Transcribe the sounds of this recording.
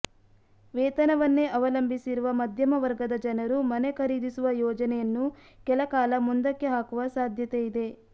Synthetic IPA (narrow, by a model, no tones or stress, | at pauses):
ʋɛːt̪ɐnɐʋɐnːeʔɐʋɐlɐmbʱisiɾuʋɐmɐd̪ʱjɐmɐʋɐɾɡɐd̪ɐd͡ʒɐnɐɾumɐnekʰɐɾiːd̪isuʋɐjɔːd͡ʒɐnɛjɐnːu | kɛlɐkaːlɐmund̪ɐkːiɦaːkuʋɐsaːd̪ʱjɐt̪ejid̪e̞